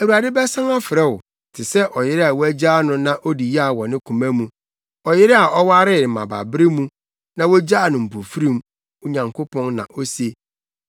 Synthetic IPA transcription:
æ˨wu˨ɾa˨dɪ˦bɛ˦sã˦ŋa˦fɪ˨ɾɛ˦wʊ˨ | tʰɪ˨sɛ˦ʔɔ˨jɪ˦ɾɪ˦a˨wɔ˦æ˦d͡ʑaː˦nʊ̃˦nã˦ʔo˦di˨ji˦a˦˨wɔ̃˨nɪ̃˦kʰũ˨mæ̃˦mũ˦ | ɔ˨jɪ˦ɾɪ˦a˨ʔɔ˦wa˦ɾɪ˦˨mã̰˨ba̰˨bɾɪ˦mũ˦ | nã˨wo˦d͡ʑaː˦˨nʊ̃˨m̩˨po˨fi˦ɾĩ˦m | u˨ɲã˨ŋkʰo˦pʰɔ̃˦nnã̰˨ʔo˦se˦

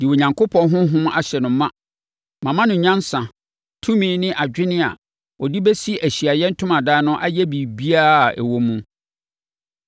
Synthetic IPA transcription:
d̥ɪ˨wo˨ɲã˨ŋkʰʊ˦pʰɔ̃˦nɦʊ̃˦ɦʊ̃˦m˦a̰˨ɕɛ˨nʊ̃˨˦mã˦ | mã˨mã˦nʊ̃˨˦ɲã˦nsã˨ | tʰũ˦mĩː˦nɪ̃˦ʔa˨d͡ʑᶣɪ˦nɪ̃˦a̰˨ | ɔ˨di˦bɛ˦si˦æ˨ɕi˨a˨jɛ˦n̩˦tʰʊ̃˦mã˨daː˦nʊ̃˦ʔa˦jɛ˦bi˨bi˦a˦˨ɛ̰˨wo˦mũ˦

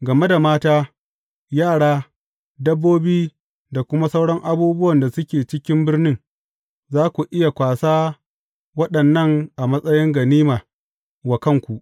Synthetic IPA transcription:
ɡɐ˨me˦da˨maː˦taː˦ | jaː˦˨ɽaː˦ | dɐ˦bːoː˦biː˦ | da˨kʷʊ˦ma˦sɐa˦wɽɔ˦ŋʔa˨buː˦bʊ˦wɐ˨nda˨sʊ˦kʲeː˨t͡ʃɪ˦kʲɪ˦mbɪ˦rnɪ˦ŋ | zaː˦kʷu˨ʔɪ˦ja˨kʷaː˨saː˦ | wɐ˦ɗɐ˨nːɐ˦ŋʔa˨mɐ˦sʼɐ˦jɪ˦ŋɡɐ˨niː˦maː˨ | wa˨kɐ˦ŋkʷu˨ʔ

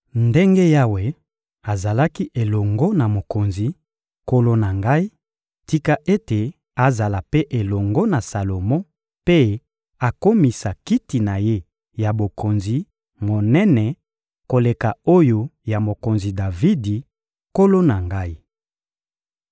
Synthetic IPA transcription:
nde˦ŋɡe˦ja˦we˨ | a˨za˨la˦ki˦ʔe˨lɔ˨ŋɡɔ˦na˨mo˨ko˨nzi˨ | ko˦lo˦na˨ŋɡa˦i˦ | ti˦ka˦ʔe˦te˨ | a˨za˨la˨pe˦ʔe˨lɔ˨ŋɡɔ˦na˨sa˨lo˨mɔ˦ | pe˦ | a˨ko˦mi˨sa˨ki˦ti˨na˨je˦ | ja˨bo˨ko˨nzi˨ | mo˨nɛ˦nɛ˨ | ko˨le˨ka˨o˦jo˦ja˨mo˨ko˨nzi˨da˨vi˦di˨ | ko˦lo˦na˨ŋɡa˦i˦

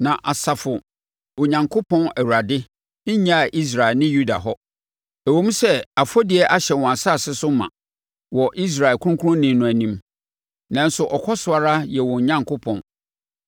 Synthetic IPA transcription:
nã˨ʔa˨sa˨fʊ˨ | o˨ɲã˨ŋkʰo˦pʰɔ̃˦næ˨wu˨a˨dɪ˦ | ɲã˦a˨ʔi˦s̬ɾa˨ɛ˨nɪ̃˦ju˦da̰˨ɦɔ˦ | æ˨wõ˦m˦sɛ˦a˨fɔ˦dɪ˨ɛ˦ʔa˦ɕɛ˨wɔ̃˨a˨sa˦˨sɪ˦sʊ˦mã̰˨ | wɔ˨ʔi˦s̬ɾa˨ɛ˨lkʰũ˦ʊ̃˦kʰu˦ɾʊ̃˦nɪ̃˨nʊ̃˨æ˨nĩ˦m | nã˨n˦sʊ˨ʔɔ˨kʰɔ˦sʊ˨a˨ɾa˦jɛ˨wɔ̃˨ɲã˦ŋkʰʊ˦pʰɔ̰̃˨n

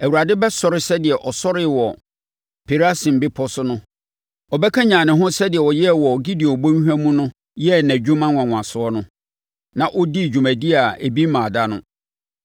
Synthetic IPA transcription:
æ˨wu˨ɾa˨dɪ˦bɛ˦sɔ˦ɾɪ˦sɛ˦dɪ˨ɛ˨ʔɔ˨sɔ˦ɾɪ˦˨wɔ˨ | pʰe˨ɾa˦sĩ˨m̩˨bɪ˦pʰɔ˦sʊ˦nʊ̃˦ | ɔ˨bɛ˦kʰã˦ɲãː˨nɪ̃˨ɦʊ̃˦sɛ˦dɪ˨ɛ˨wɔ˨jɛ˦˨wɔ˨ɡi˦di˨o˨bõ˦ɲ˦ɦæ̃˦mũ˦nʊ̃˦ | jɛ˦næ̃˨d͡ʑᶣu˦mã˦wã˨wʷã˨sʊ˨˦ɔ˦nʊ̃˦ | nã˨ʔʊ˦di˦˨d͡ʑᶣu˨mæ̃˨di˦a˨e˨bi˦mãː˨da˦nʊ̃˦

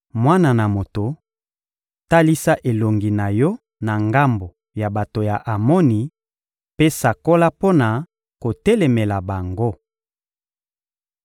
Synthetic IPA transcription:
mwa˦na˨na˨mo˨to˨ | ta˦li˦sa˦ʔe˨lo˨ŋɡi˨na˨jɔ˦ | na˨ŋɡa˦mbo˨ | ja˨ba˨to˨ja˨ʔa˨mo˦ni˨ | pe˦sa˨ko˦la˦po˦na˨ | ko˨tɛ˦lɛ˨me˨la˨ba˨ŋɡo˦

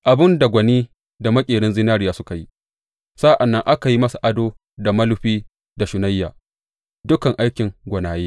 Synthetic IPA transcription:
ʔa˨bɪ˦nda˨ɡʷɐ˨niː˦ | da˨mɐ˦kʲʼeː˨ɽɪ˦nzɪ˦naː˦ɾɪ˨jaː˨sʊ˦ka˨ji˦ | sa˦ʔa˨nːɐ˦ŋʔa˦ka˨ji˦mɐ˦sa˨ʔa˦doː˦ | da˨mɐ˦lʊ˦ɸiː˦ | da˨ʃʊ˨na˦jːaː˨ | dʊ˦kɐ˨ŋʔa˦jkʲɪ˨ŋɡʷɐ˨naː˨jeː˦

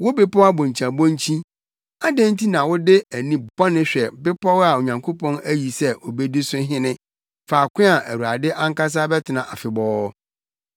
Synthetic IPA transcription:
wʊ˦bɪ˦pɔ˦a˦bʊ̃˨ɲ˨t͡ɕʰã˨bɔ̃˦ɲ˦t͡ɕʰĩ˦ | a˦dẽ˦n˦tʰi˦nã˨wʊ˦dɪ˦æ˨nĩ˦bɔ˦nɪ̃˦ɕᶣɛ˨bɪ˦pʰɔ˦wa˨o˨ɲã˨ŋkʰo˦pʰɔ̃˦næ˦ji˨sɛ˦ʔo˨be˦di˦sʊ˦ɦɪ̃˦nɪ̃˦ | faː˨kʰʷɪ̃˦a˨ʔæ˨wu˨a˨dɪ˦ʔã˦ŋ̩˦ka˦s̬a˦bɛ˦tʰɪ˨nã˨ʔa˨fɪ˨bɔː˦

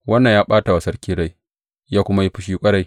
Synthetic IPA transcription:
wɐ˦nːɐ˨jaː˦ɓaː˦ta˨wa˨sɐ˦ɽkʲiː˦ɽa˦˨j | jaː˦kʷʊ˦ma˦ji˦ɸɪ˦ʃiː˦kʷʼɐ˦ɽa˦˨j

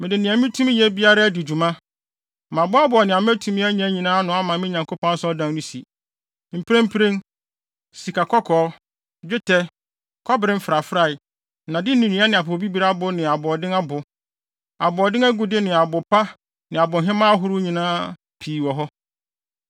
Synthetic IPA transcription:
mɪ̃˨dɪ˨nɪ̃˨a˨mɪ̃˦tʰũ˦m˦jɛ˦bi˦a˦ɾa˦dɪ˨d͡ʑᶣu˨mã˦ | mã˨bʊ˦a˦bʊ˨ɔ˨nɪ̃˨a˨m˦æ˦tʰũ˨mĩ˦æ˦ɲĩ˦æ˦ɲĩ˨nãː˦nʊ̃˨˦a˦mã˨mɪ̃˦ɲã˨ŋkʰo˦pʰɔ̃˦n˦sɔ˦dã˦ŋnʊ̃˦si˨ | m̩˨pʰi˦ɾẽ˦m̩˦pʰɾẽ˦ŋ | si˨kʰa˨kʰɔ˦kʰɔː˨˦ | d͡ʑᶣɪ˦tʰɛ˦ | kʰɔ˦bɪ˨ɾɪ̃˦m̩˦fɪ˨ɾa˨fɾa˦˨ɪ˨ | nã˨dɪ˦nĩ˨nĩ˦a˦nɪ̃˨a˨po˨bi˦bi˨˦ɾa˦bʊ˦nɪ̃˨a˨bʊ˨ɔ˨dɪ̃˦ŋa˦bʊ˨ | a˨bʊ˨ɔ˨dɪ̃˦ŋæ˦ɡu˨dɪ˦nɪ̃˨a˨bʊ˨pʰa˦ | nɪ̃˨a˨bʊ˨ɦɪ̃˦mã˦a˦ɦʊ˦ɾʊ˦ɲĩ˨nãː˦ | pʰiː˨wɔ˨ɦɔ˦

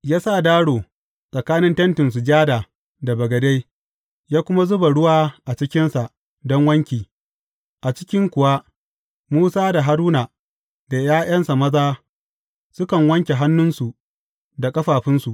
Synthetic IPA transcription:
jaː˦sa˦˨daː˦ɽoː˨ | sʼɐ˨kaː˦nɪ˦ntɐ˦ntɪ˨ns̬u˨d͡ʒaː˦daː˨ | da˨bɐ˨ɡɐ˨de˦j | jaː˦kʷʊ˦ma˦zʊ˦ba˨ɽʊ˦waː˦ʔa˨t͡ʃɪ˦kʲɪ˦nsa˨ʔ | dɔ˦ŋwɐ˦ŋkʲiː˨ | ʔa˨t͡ʃɪ̥˦kʲɪ˦ŋkʷʊ˨wa˦ | muː˦saː˦da˨ɦa˦ɾuː˦naː˨ | da˨jaː˦jʔɐ˦nsa˨mɐ˦zaː˦ | sʊ˦kɐ˨ŋwɐ˦ŋkʲe˨ɦa˦nːʊ˦nsu˨ʔ | da˨kʼɐ˦ɸaː˨ɸɪ˦nsu˨ʔ

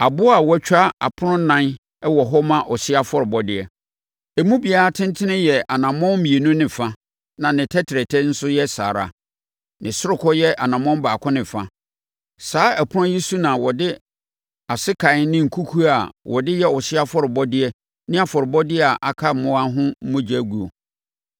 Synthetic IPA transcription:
a˨bʊ˦a˨wɛ˦t͡ɕᶣa˦a̰˨pʰʊ˦ɾʊ̃˦nã˦n | ɛ˦wɔ˨ɦɔ˦mã˦ʔɔ˨sɪ˦a˦fɔ˦ɾɪ˨bɔ˦dɪ˨ɛ˨ | æ˨mũ˦bi˨a˨ɾa˦tʰɪ̃˦n˦tʰɪ˦nɪ̃˦jɛ˨ʔa˨nã˨mɔ̃˦m˦mĩ˨e˨nũ˦nɪ̃˨fa˦ | nã˨nɪ̃˨tʰɛ˦tʰɪ˨ɾɛ˨tʰɛ˦n̩˦sʊ˦jɛ˦sa̰ː˨ɾa̰˨ | nɪ̃˨sʊ˦ɾʊ˨kʰɔ˦jɛ˦ʔa˨nã˨mɔ̃˦m˦baː˨kʰʊ̃˦nɪ̃˨fa˦ | saː˨˦æ˨pʰʊ˦ã˦ji˦su˦nã˨wɔ˨dɪ˦ | a˨sɪ˦kʰa˨ɪ˦nɪ̃˦ŋ̩˨kʰu˦kʰu˦a˨wʔɔ˨dɪ˦jɛ˦ɔ˨sɪ˦a˦fɔ˦ɾɪ˨bɔ˦dɪ˦ɛ˦ | nɪ̃˦a˨fɔ˨ɾɪ˨bɔ˦dɪ˦ɛ˦a˨ʔa˨kʰa˦˨mʊ̃˦a˦ɦʊ̃˦m̩˦mʊ̃˦d͡ʑæ˦ɡu˨o̰˨

